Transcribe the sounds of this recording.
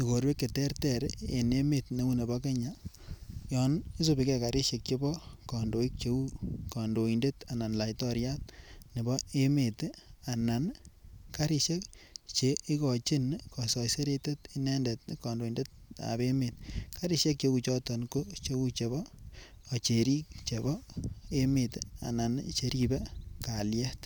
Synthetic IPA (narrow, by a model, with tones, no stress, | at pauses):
i˨ko˨ɾwe˦kːe˨tɛ˦rtɛ˨ɾḛ˨ne˦me˨tne˦wu˦ne˨bɔ˦ke˦ɲa˨ | jɔ˨ni˦s̬o˦bi˦kɛ˦ka˨ɾɪ˦ʃe˨k̚t͡ʃe˦bɔ˦kɔ˨ndo˨i˦k̚t͡ʃe˨˦u˦kɔ˨ndo˨i˨nde˦ta˨na˨nla˨itɔ˦ɾja˦t̚ni˨bɔ˦e˦me˨ta˨na˨nka˦ɾi˦ʃe˦k̚t͡ʃe˨i˦kɔ˨t͡ʃɪ˦nkɔ˨sɔ˨jse˦ɾe˧te˦ti˦nɛ˦nde˨tkɔ˨ndo˨i˨nde˦t̚a̰˨be˦me˨tka˦ɾi˦ʃe˦k̚t͡ʃe˧ku˦t͡ʃɔ˦tɔ˨nko˦t͡ʃe˦wu˦t͡ʃe˨bɔː˨ | t͡ʃe˨ɾi˦k̚t͡ʃe˨bɔ˦e˦me˨ta̰˨na˨nt͡ʃe˨˦ɾi˦be˦ka˨ljɛ˦t